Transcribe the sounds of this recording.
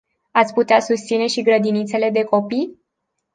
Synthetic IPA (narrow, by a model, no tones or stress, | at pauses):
at̪sʲput̪easust̪sine̞ʃiɡɾəd̪init̪se̞le̞d̪e̞ko̞pi